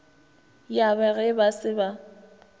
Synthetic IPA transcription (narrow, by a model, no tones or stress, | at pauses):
jabɛɣɛbasɪba